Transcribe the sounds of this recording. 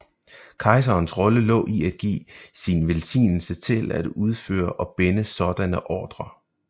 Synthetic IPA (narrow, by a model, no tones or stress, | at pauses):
kʰɑ̈ɪs̬ɐːnsʁɒ̽ləlɔ̰̽ːʔiæd̥ɡ̥ḭːsinʋelsḭːnl̩sət͡sʰe̝læd̥uð̞ˠfø̰ːɐʔɒ̽b̥enəsɒ̽d̥ænəʔɒːd̥ʁɐ